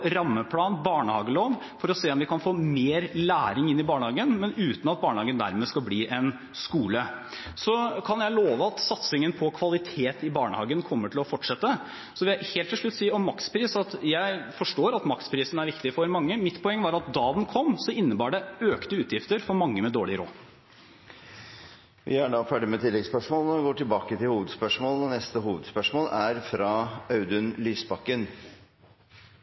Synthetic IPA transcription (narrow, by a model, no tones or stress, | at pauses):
ɾɑmːəpʰlɑːnbɑːɳəhɑːɡəloːʋ | fɔɾɔseːɔmʋɪkʰɑnfoːmeːɾlæːɾɪŋɪnːɪbɑːɳəɑːɡənmɛnʉːt̪n̩ɑt̪̚bɑːɳəhɑːɡənd̪æ̰ɾmeːskɑlbliːʔɛn | skuːlə | sɔkʰɑnjæɪloːʋəɑt̪sɑt̪sɪŋənpʰɔkʰʋɑlɪt̪ʰeːt̪ɪbɑːɳə̰hɑːɡənkʰɔmːəʈʰɪlɔfɔʈʂɛt̪ːə | sɔʋɪljæɪheːlt̪ʰːɪʂɭʉt̪ːsiːɔmːɑkspʰɾiːsɑt̪jæɪfɔʂʈoːɾɑt̪mɑkspʰɾiːsənæɾʋɪkt̪ɪfɔɾmɑŋːəmɪt̪ːpʰɔɛŋːəʋɑːɾɑt̪̚d̪ɑːd̪nkʰɔmːsɔɪnːəbɑːɖɛøːkt̪əʉːt̪jɪft̪əɾfɔɾmɑŋːəmɛd̪oːɭɪɾo̰ː | ʋɪ̰æɖɑfæːɖɪmɛt̪ʰɪlːɛɡspœʂmoːlnɔɪɡoːʈɪlbɑːkət̪ʰɪlhuːʋəd̪spœʂmoːlnɔnɛst̪əɦuːʋəd̪spœʂmoːlæɾfɾɑɑʉd̪ʉnlyːsbɑkːən